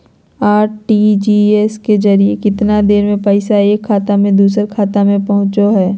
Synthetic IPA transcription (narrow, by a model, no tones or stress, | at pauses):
aːɾʈiːd͡ʒiːɛskezɐɾiekɪt̪nad̪eːɾmẽpɐɪsaeːkʰːaːt̪amẽd̪uːsəɾkʰaːt̪amẽpɐɦʊ̃t͡ʃoɦɛː